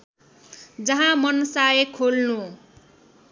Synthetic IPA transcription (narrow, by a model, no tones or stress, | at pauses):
d͡zʌɦãmʌnsaekʰolnu